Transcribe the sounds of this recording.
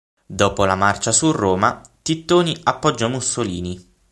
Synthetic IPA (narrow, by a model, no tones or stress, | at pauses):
d̪ɔːpolamart͡ʃasurːoːmat̪it̪ːoːniapːɔd͡ʒːamusːoliːni